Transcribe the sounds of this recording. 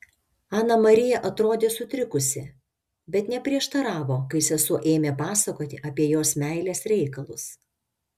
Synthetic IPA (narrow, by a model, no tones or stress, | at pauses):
ɑːnɐmɐɾʲɪjɛʔɐt̪ɾoːd̪ʲeːsʊt̪ʲɾʲɪkʊsʲɪ | bʲɛt̪nʲɛpʲɾʲiɛʃt̪ɐɾɑːʋoːkɐɪsʲɛsʊʔeːmʲepɑːsɐkoːt̪ʲɪʔɐpʲiɛjoːsmʲæɪlʲeːsɾʲɛɪkɐlˠʊs